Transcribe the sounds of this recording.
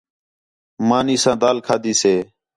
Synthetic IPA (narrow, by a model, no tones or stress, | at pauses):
maːniːsãːd̪aːlkʰaːd̪iːseː